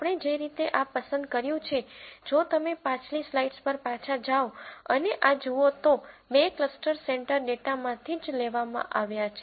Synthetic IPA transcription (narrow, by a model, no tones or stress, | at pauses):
apɳ̃ed͡ʒeɾit̪eʔapəsə̃nd̪kəɾjũt͡ʃʰed͡ʒot̪əmepãt͡ʃlislaiʈspəɾpat͡ʃʰad͡ʒaoəneʔad͡ʒuot̪obekləsʈəɾsɛɳʈəɾɖeʈamãt̪ʰid͡ʒleʋamã̰ʔaʋjat͡ʃʰe